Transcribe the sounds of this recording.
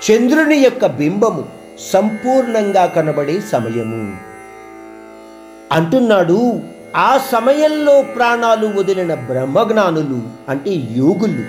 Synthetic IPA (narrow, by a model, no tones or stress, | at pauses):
t͡ʃend̪ɾunijɔkːɐbimbɐmu | sɐmpuːɾɳɐŋɡaːkɐnɐbɐɽe̞ːsɐmɐjɐmṵ | ɐɳʈunːaːɽu | aːsɐmɐjɐmlo̞ːpɾaːɳaːluʋod̪ɐlinɐbɾɐmːɐɡɳaːnuluɐɳʈeːjuːɡulːṵ